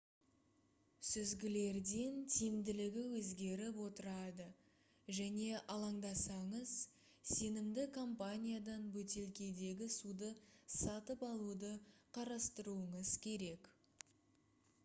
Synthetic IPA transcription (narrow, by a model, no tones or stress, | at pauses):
sʏzɡʲɪle̞ɾd̪e̞nt̪ʰimd̪ɪlɪɡʲɪwɵzɡʲe̞ɾɪpwo̞t̪əɾɑd̪ə | ʒæne̞ʔɑlˠɑɴd̪ɑsɑɴəz̥ | se̞nɪmd̪ɪkʰo̞mpanʲijad̪ɑnbɵt̪e̞lkʲe̞d̪e̞ɡʲɪsud̪əsɑt̪əpɑlˠud̪əqʰɑɾɑst̪əɾuəɴəzkʲʰe̞ɾe̞k